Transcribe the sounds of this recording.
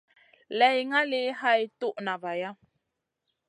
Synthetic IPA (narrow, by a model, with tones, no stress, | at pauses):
lɛ˨jŋa˦le˦ha˦i˦tu˦ʔna˨va˨ja˦